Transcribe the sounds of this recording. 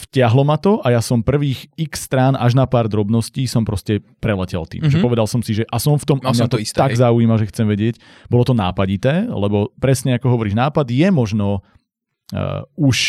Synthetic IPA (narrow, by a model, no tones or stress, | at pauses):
fcɪaɦlɔmat̪ɔʔajasɔmpr̩ʋiːxiksːt̪ɾanaʒnapaːɾd̪ɾɔbnɔsciːsɔmpɾɔscɛpɾɛlɛcɛ̰lt̪ḭːmmʒɛpɔʋɛd̪alsɔmsiʒɛʔasɔmft̪ɔmʔamat̪ɔist̪aɡzauiːmaʒɛxt͡sɛmʋɛɟɪɛc | bɔlɔt̪ɔnaːpaɟit̪ɛːlɛbɔpɾɛsɲɛakɔɦɔʋɔɾiːʒnaːpad̪jɛmɔʒnɔ | uʃ